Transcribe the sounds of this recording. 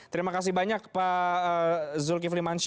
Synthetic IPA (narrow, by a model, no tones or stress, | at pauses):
t̪əɾimakas̬ibaɲak̚pa | zʊlk̬iflimanʃ